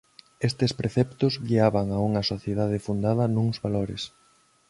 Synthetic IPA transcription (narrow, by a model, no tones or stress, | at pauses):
est̪espɾeθɛpt̪ʊzɡiaβaŋauŋɐsoθjeðað̞ɪfund̪aðɐnũŋzβaloɾɪ̰s